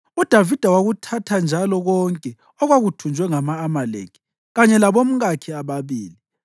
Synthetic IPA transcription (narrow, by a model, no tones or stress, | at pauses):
ud̥ʱavid̥ʱawaɣutʰatʰand͡ʒʱalɔɣɔŋkʼɛ | ɔɣwaɣutʰund͡ʒʱwɛŋamaːmalḛkʰi̥ | ɣaɲɛlaβom̩ɣakʰiaβaβiːli